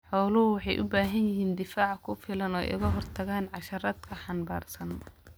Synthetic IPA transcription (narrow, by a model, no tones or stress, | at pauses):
ħɔwlʊɦʊwɑħɑjʔʊbaːɦɐnjɪɦiːnd̪ɪfaːʕkʰʊfɪlɐnɔːʔɪ̰ɣɐɦɔrt̪ʰɐɣaːnʕɑʃɐɾɐd̪kʰɐħɑnba̰ːrsɐn